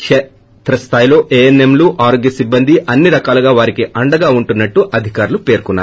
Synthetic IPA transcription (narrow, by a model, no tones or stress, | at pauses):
ʂɛ | t̪ɾɐst̪ʰaːjlo̞ːʔeːenemluːʔaːɾoɡjɐsibːɐnd̪ʱiʔɐnːiɾɐkaːluɡaːʋaːɾikiʔɐɳɖɐɡaːuɳʈunːɐʈːuʔɐd̪ʱikaːɾulupe̞ːɾkunːa̰ː